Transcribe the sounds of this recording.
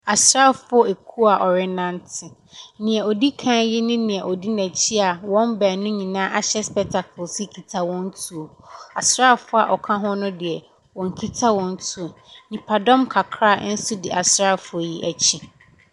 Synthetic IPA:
a˨sɾa˦˨fʊ˦ɔ˦e˨kʰu˦a˨ʔɔ˨ɾɪ˦nã˦ntʰɪ˨ | nɪ̃˨ɛ˨ɔ˨di˦kʰã˦jɪ˦nɪ̃˦nɪ̃˨ɛ˨ʔɔ˨di˦næ̃˨t͡ɕʰi˦a˨wɔ̃˦mbæː˨nʊ̃˦ɲĩ˨nãː˦ʔa˦ɕɛ˦spɛ˨tʰa˨kʰʊ˨lsɪ˦kʰi˨tʰa˦wɔ̃˦n˦tʰu˨o˨a˨sɾa˦˨fʊ˦a̰˨ʔɔ˨kʰã˦ɦɔ̃˦nʊ̃˦dɪ˨ɛ˨ | wɔ̃˨ŋ˨kʰi˦tʰa˦wɔ̃˦n˦tʰu˦o˨ | nĩ˨pʰa˨dɔ̃˦mkʰa˨kʰɾa˦˨˦n̩˦su˦dɪ˨ʔa˨sɾa˦˨fʊ˨o˨ji˦ʔæ˨t͡ɕʰi˦

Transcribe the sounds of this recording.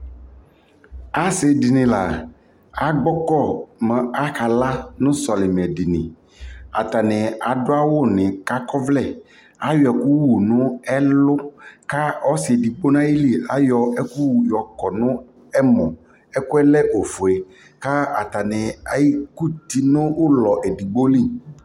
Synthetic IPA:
a˨sɪ˨di˨nɪ̃˨la˨ | a˨ɡ͡bɔ˦kɔ˦˨mɛ̃˨a˦ka˨la˦nʊ̃˦sɔ˨lɪ˨mɛ˨di˨nɪ̰̃˨ | a̰˨t̪a˨nɪ̃˨a˨dʊ˦a˦wʊ˦˨nɪ̃˨ka˦kɔ˦vlɛ˦˨ | a˦jɔ˨ɛ˨ku˦wu˨nʊ̃˦ɛ˦lʊ˦ka˦ɔ˦sɪ˨ɛ˨di˨ɡ͡bo˦n˦ã˦ji˦li˦˨a˦jɔ˨ɛ˦ku˦wu˨jɔ˨kɔ˨nʊ̃˦ | ɛ˦mɔ̃˨ | ɛ˦kʊ˦ɛ˦lɛ˦ʔo˨fʊ˨e˨ | ka˦a˨t̪a˨nɪ˨a˨ji˦ku˦t̪i˨nʊ̃˦wʊ˦lɔ˨ʔɛ˨di˨ɡ͡bo˦li˦˨

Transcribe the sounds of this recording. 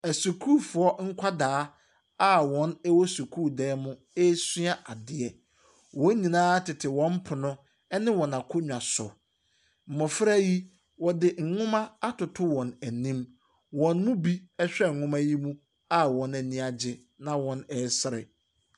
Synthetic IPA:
æ˨su˨kʰu˦˨fʊ˨ɔ˦ŋ̩˦kʷʰa˦daː˨˦ | a˦wɔ̃˦nɛ˦wɔ˦su˨kʰu˦˨dɛː˦mʊ̃˦ | e˦su˦a˦ʔa˨dɪ˨ɛ˨ | wɔ̃˨˦ɲĩ˨nãː˦tʰɪ˨tʰɪ˨wɔ̃˦m˦pʰʊ˨nʊ̃˦ | ɛ˦nɪ̃˦wɔ̃˨nã˨kʰʊ˦ɲᶣ˨ã˨sʊ̰˨ | m̩˨mɔ˨fɾa˦ji˦ | wɔ˨dɪ˨ŋ̩˨ŋʊ̃˦mã˦a˦tʰʊ˨tʰʊ˦wɔ̃˨næ˨nĩ˦m | wɔ̃˨nmʊ̃˦bi˦ɛ˦ɕᶣɛ˦˨ŋ̩˨ŋʊ̃˦mã˦ji˦mũ˦ | a˦wɔ̃˨˦næ˨nĩ˦a˨d͡ʑɪ˨ | nã˨wɔ̃˨˦nɛ˨˦sɪ˦ɾɪ̰˨

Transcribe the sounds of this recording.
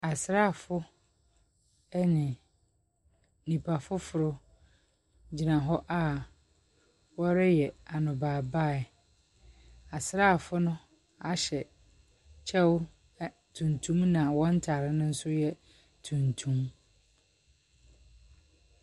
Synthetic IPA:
a˨sɪ˨ɾa˦˨fʊ˦ | ɛ˦nɪ̃˨ | nĩ˨pʰa˨fʊ˦fʊ˨ɾʊ˦ | d͡ʑi˨nã˨ɦɔ˦ʔa˦ | wɔ˦ɾɪ˦jɛ˨a˨nʊ̃˨baː˨ba˦˨ | a˨sɾa˦˨fʊ˦nʊ̃˦ | a˨ɕɛ˨ | t͡ɕʰɛ˦wʊ˦ | tʰũ˨ntʰũ˦mnã˨wɔ̃˦n̩˦tʰa˨ɾɪ˦nʊ̃˦n̩˦sʊ˦jɛ˦ | tʰũ˨ntʰũ˦m

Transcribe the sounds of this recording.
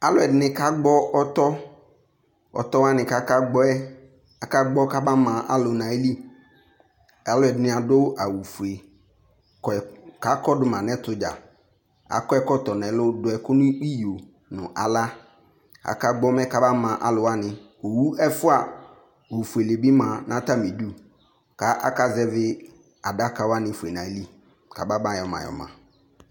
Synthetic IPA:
a˨lʊ˦˨ɛ˨dɪ˨nɪ̃˨ka˦ɡ͡bɔ˦ʔɔ˦t̪ɔ˦ | ɔ̰˨t̪ɔ˦wa˦nɪ̃˨ka˦ka˦ɡ͡bɔ˦ɛ˦ | a˨ka˦ɡ͡bɔ˦ka˦ba˦mã˨ʔa̰˦lʊ˨nã˨e˦li˦ | a˨lʊ˦ɛ˨dɪ˨nɪ̃˨a˨do˦a˨wu˨fu˨e˨ | kka˦kɔ˦dʊ˨mã˨nɛ̃˦t̪ʊ˨d͡ʒa̰˨ | a̰˨kɔ˦ɛ˦kɔ˦t̪ɔ˨nɛ̃˨lʊ˦dʊ˨˦ɛ˨kʊ˦nʊ̃˦i˦jo˨ | nʊ̃˨ʔa̰˨la˦ | a̰˨ka˦ɡ͡bɔ˦mɛ̃˦ka˨ba˦mã˨ʔa˨lʊ˨wa˦nɪ̃˨ | o˨wu˦ɛ˦fʊ˦a˨ | o˨wu˨fu˨e˨le˨bi˦mã˨nã˦t̪a˦mĩ˨du˦ | ka˦ʔa̰˦ka˦zɛ˦vɪ˦ | a˨da˦ka˨wa˦nɪ̃˨fu˨e˨nã˨˦li˦ | ka˨ba˦bã˦jɔ˨mã̰˨jɔ̰˨mã̰˨

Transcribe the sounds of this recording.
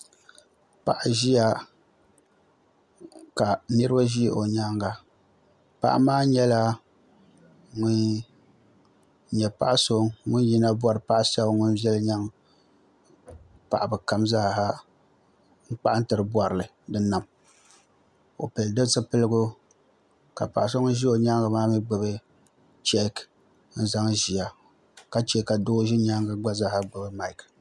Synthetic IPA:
pa̰˨ʔa˨ʒi˦ja˨ | ka˨nɨ˦ɾɨ˦ba˦ʒi˦˨ʔo˨ɲaː˦ŋɡa˨ | pa̰˨ʔa̰˦maː˦ɲɛ˦la˦ | ŋʊ˦n | ɲɛ˨pa̰˦ʔa˦so˦ŋʊ˦nji˦na˦bwa˦ɾɨ˨pa˦ʔsa˦bŋʊ˦nvɛ˦lɲa˦ŋ | pa̰˨ʔa˨bɨ˨ka˦mza˦˨ɦa˦ | ŋ̩˦k͡pa˦ʔa˦n̩˦tɨ˨ɾɨ˨bwa˨ɾlɨ˨ | dɨ˦na˨m | o̰˨pɨ˨ldɨ˦sɨ˦pɨ˦lɨ˦ɡʊ˦ | ka̰˨pa˨ʔa˨so˦ŋʊ˦ʒi˦o˨ɲa˦ŋɡa˨maː˦mɨ˦ɡ͡bɨ˨bɨ˦ | t͡ʃɛ˦k | n̩˦za˦ŋʒi˨a˨ | ka˦t͡ʃɛ˦ka˨do˦ʒi˦ɲa˦ŋɡa˦ɡ͡ba˦za˦ha˦ɡ͡bɨ˨bɨ˦ma˨ɪ˨k

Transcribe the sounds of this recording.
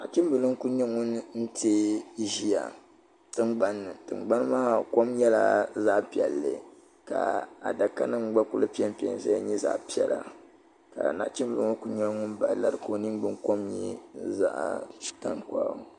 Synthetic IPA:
na̰˨ʔt͡ʃi˦m˦bɨ˨lɨ˦ŋ˦ku˦ɲɛ˦ŋu˦n˦n̩˦te˦ʒi˦ja̰˨ | tɨ˦ŋ͡mɡ͡ba˦nːɨ˨tɨ˨ŋ͡mɡ͡ba˦n˦ma˦˨ko˦mjɛ˦la̰˨za˦ʔpi˨ɛ˨lːɨ̰˨ | ka̰˨a˨da˨ka˦nɨ˦ŋ͡mɡ͡ba˦ku˦lɨ˦pi˦ɛ˦m˦pi˦ɛ̰˨˦˨n˦sa˦ja˦ɲɛ˦za̰˦pi˦ɛ˨lʔa̰˨ | ka̰˨na̰˨ʔt͡ʃi˦mbɨ˨lɨ˦ŋo˦ku˦ɲɛ˦ŋʊ˦nba˨la˦ɾɨ˨ko˨nɨ˦ŋɡ͡bɨ˦ŋko˦mɲḭ˦za̰˦ʔa̰˨ta˨ŋkʷa̰ː˦˨

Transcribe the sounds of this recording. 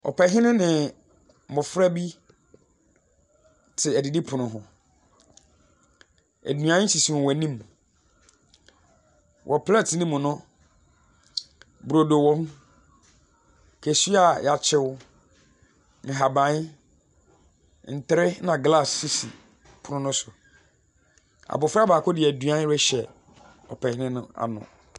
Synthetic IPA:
ɔ̰˨pʰɛ˨ɦɪ̃˦nʊ̃˦nɪ̃˨ | mʊ̃˨fɾa˦bi˦ | tʰɪ˨æ˨di˨di˦pʰʊ˨nʊ̃˨ɦʊ̃˨ | æ̰˨dũ˨ã˨˦ɪ̃˦ɕi˨si˨wʊ̃˨wɛ˨nĩ˦m | wʔɔ˨pʰlɛ˦˨tʰnɪ̃˦mʊ̃˨nʊ̃˦ | bu˨ɾo˨do˨wɔ̃˦m | kʰæ˨su˦a˨ja˨t͡ɕʰɪ˦wʊ˦ | n̩˨ɦa˨bã˨˦ɲɪ˦ | n̩˨tɾɪ˦nã˨ɡla˦˨sːi˦si˨ | pʰʊ˦ʊ̃˦nʊ̃˦sʊ˨ | a̰˨bʊ˨fɾa˦˨baː˨kʰʊ˦dɪ˨æ˨dũ˨ã˦ɾɛ˦ɕɛ˨ | ɔ̰˨pʰɛ˨hɪ˦nɪ̃˦nʊ̰̃˦a̰˨nʊ̰̃˨

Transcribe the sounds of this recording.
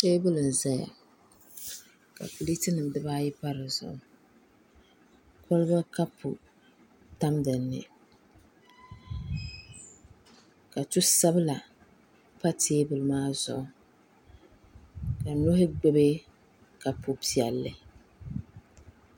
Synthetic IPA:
teː˦bɨ˦lɨ˨n̩˨za˦ja̰˨ | ka̰˨pʊ˨li˦ti˦nɨ˨m˨dɨ˦baː˦jɪ˦pa˦ɾɨ˨zʊ̰˨ʔʊ˦ | kʰɔ˦lba˦ka˦pʰṵ˨ | ta˦mdɨ˨nːɨ̰˨ | ka˨tu˦sa˦bɨ˦la˨ | pa˦tʰeː˦bɨ˨lɨ˨maː˦zʊ̰˨ʔʊ˦ | ka˨nʊ˦ɦɪ˦ɡ͡bɛ˦be˦ | ka˨pu˨pi˨ɛ˨lːɨ˨

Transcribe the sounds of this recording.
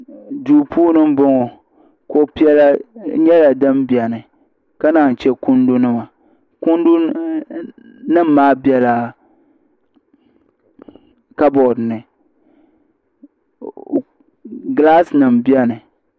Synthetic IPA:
duː˨pʰuː˦nɨ˦m̩˦bɔ˦ŋɔ˨ | ko˨pi˦ɛ˦la˦ɲɛ˦la˨dɨ˦mbi˨ɛ˨nɨ˨ | ka˦na˨n˨t͡ʃɛ˦ku˦ndu˦nɨ˦ma˨ | ku˦ndu˦ | nɨ˦m̩ː˦aː˦bi˨ɛ˦la˨ | ka˦bɔ˨dnɨ˨ | ɡla˦snɨ˨mbi˦ɛ˦nɨ˨

